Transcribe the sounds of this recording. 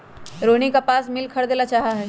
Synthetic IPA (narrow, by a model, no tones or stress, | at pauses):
ɾoːnikapaːsmɪlkʰɐɽd̪eːnat͡ʃaːɦaɦɛː